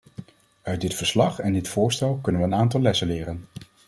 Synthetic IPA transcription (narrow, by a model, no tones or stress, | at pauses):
œɥ̚dɪtfəɹslɑχɛndɪtfʊːɹstɛlˠkɵnənʋəːnaːntɑlˠlɛsənlɪːɾən